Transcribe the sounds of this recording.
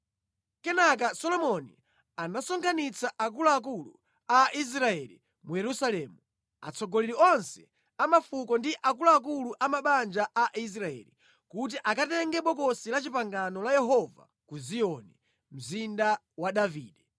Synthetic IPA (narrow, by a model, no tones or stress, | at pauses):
kɛnak̬asɔlɔmɔnḭ | anasɔŋkʰanit͡saʔakulaːk̬ulṵ | aʔis̬ɾaɛlḭ | mujɛɾusalɛːmu | a̰t͡sʰɔɡɔliɾiɔnsɛ | amafukɔndiʔak̬ulaːk̬uluʔamaɓand͡ʒaʔaʔis̬ɾaɛ̰li | kut̬iʔakatɛŋɡɛɓɔkɔsilat͡ʃipaŋɡanɔlajɛɦɔva̰ | kuziɔni | m̩zinda | waɗavḭːɗɛ